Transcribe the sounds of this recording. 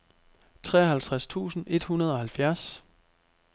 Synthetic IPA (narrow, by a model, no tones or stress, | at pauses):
t͡sʰʁɛ̰ːɐɦælt͡sʰʁast͡sʰṵːsn̩ʔe̝d̥hunɐð̞ˠɒ̽hælfjæɐs